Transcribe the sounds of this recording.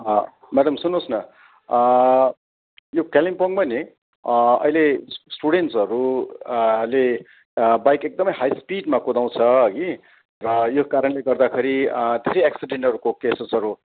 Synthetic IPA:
ʌ | maɽʌmsunosnʌ | jokalimpʌŋpʌni | ʌ̰jlesʈuɽenʈsʌɾu | le | bajkek̚d̪ʌmʌjɦajspiɖmakod̪aw̃t͡sʰʌɡi | rʌjokaɾʌɳleɡʌrd̪akʰeɾid̪ʱeɾʌjaksiɖeɳʈʌɾukokesesʌɾu

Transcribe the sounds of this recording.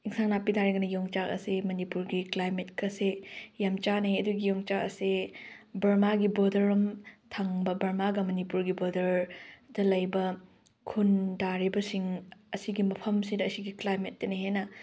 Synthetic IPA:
iŋsaŋnapidaɾiɡɐnɐjoŋt͡ʃakɐ̰semɐnipuɾɡiklajmet̚kʰɐsejamt͡ʃanɐjɐduɡijɔŋt͡ʃakɐsebɐɾmaɡibodɐɾɐmtʰɐŋbɐbɐɾmaɡɐmɐnipuɾɡibodɐɾdɐlɐjbɐ | kʰundaɾibɐsiŋɐsiɡimɐpʰɐmsidɐːsiɡiklajmet̚ːɐnihenɐ

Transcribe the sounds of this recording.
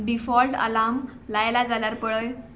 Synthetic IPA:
ɖifɔlʈə̰lamlajlad͡zaljaɾpəɭəj

